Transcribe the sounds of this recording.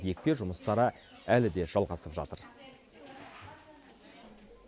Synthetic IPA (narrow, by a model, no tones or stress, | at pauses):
je̞k̚ʲpe̞ʒʊməst̪ɑɾə | ælɪd̪e̞ʒ̥ɑlˠʁɑsəpʒɑ̰t̪əɾ